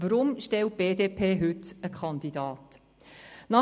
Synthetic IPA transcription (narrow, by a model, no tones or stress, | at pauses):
ʋəɾʊmʃtɛl̚b̥eːdeːpʰeːɦʏtəkʰɑnd̪idɑːt | nɑ